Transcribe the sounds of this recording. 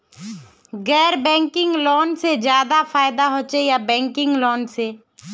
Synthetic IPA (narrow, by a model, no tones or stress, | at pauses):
ɣɛːɾbɛ̃ːŋkɪ̃ŋɡloːnsed͡ʒjaːd̪afaːɪd̪aɦoːt͡ʃejabɛ̃ːŋkɪ̃ŋɡloːnseː